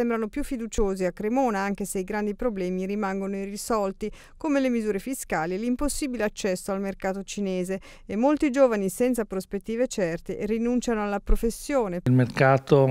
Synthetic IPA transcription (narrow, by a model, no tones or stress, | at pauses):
embɾanopjufːid̪ut͡ʃoːziakːɾemoːnaaŋk̟eseiɡɾand̪ipɾoblɛːmirimaŋɡonoirisɔlt̪i | komelemizuːɾefiskaːlielimposːiːbileat͡ʃːɛsːoalmerkaːt̪ot͡ʃineːzeː | mːolt̪id͡ʒoːvanisɛnt̪sapɾospet̪ːiːvet͡ʃɛrt̪erinunt͡ʃanoalːapɾofesːjoːneilmerkaːt̪o